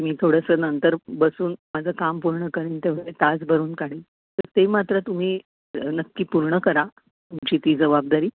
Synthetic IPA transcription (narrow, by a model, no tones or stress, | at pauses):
miːt̪ʰoɽəsənənt̪əɾbəsuːnmad͡zʱəkampuɾɳəkəɾiːnt̪eʋ̤əet̪ad͡zbəɾuːnkaɽ̤iː | t̪əɾt̪emat̪ɾət̪um̤iː | nəkːiːpuɾɳəkəɾa | t̪umt͡ɕiːt̪iːd͡zəʋab̚d̪aɾiː